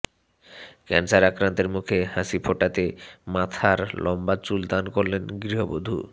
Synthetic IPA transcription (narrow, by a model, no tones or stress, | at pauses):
kɛnsaɾakɾant̪eɾmukʰehasipʰoʈat̪emat̪ʰaɾlʔɔmbat͡ɕuld̪ankoɾlenɡɾiɦobod̪ʱṵ